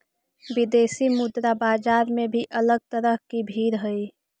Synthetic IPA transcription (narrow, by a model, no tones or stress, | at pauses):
bɪd̪eːsimʊd̪ɾabaːd͡ʒaːɾmẽbʱiʔələɡ̚t̪əɾəɦkibʱiːɾɦəi